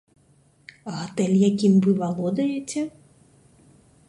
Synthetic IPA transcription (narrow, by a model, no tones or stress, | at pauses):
ɐɦat̪ɛlʲjakʲimvɨvalˠɔd̪ɐjɛt͡sʲɛ